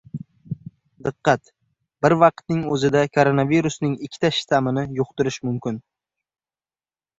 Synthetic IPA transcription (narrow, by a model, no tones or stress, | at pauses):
d̪ɨqːɑt̪ | b̥ɪɾvɑqt̪̚nɪŋɵzɪd̪akʰoɾonaviɾʊsnɪŋɪkʲʰːt̪ʰaʃɪ̥t̪ʰamɪnɪjʊqt̪ʊɾɪʃmʊmkʲɪn